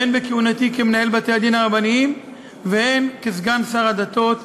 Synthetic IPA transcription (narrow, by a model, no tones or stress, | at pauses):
enbekeunat̪ikemenahe̞lbat̪ead̪inaʁabaniim | vee̞nkezɡansaʁad̪at̪o̞t̪